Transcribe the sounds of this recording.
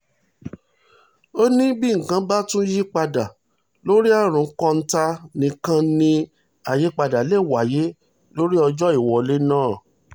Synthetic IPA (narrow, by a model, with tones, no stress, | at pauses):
o˦nĩ˦bi˦ŋ̩˨kã˧˦ba˦tũ˦ji˦k͡pa˧da˨ | lo˦ɾi˦a˦˨ɾ̃ũ˨˦kɔ̃˦˧n̩˦ta˧nĩ˧kã˧nĩ˧ | a˨je˦k͡pa˧da˨le˦˨wa˨je˨˦ | lo˦ɾi˦ɔ˧d͡ʒɔ˦i˦˨wɔ˨le˦nãː˦˨